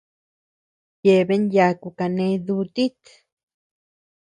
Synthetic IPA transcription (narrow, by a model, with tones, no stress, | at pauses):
je˧be˦nja˧ku˧ka˧ne˧d̪u˧t̪i˦t̪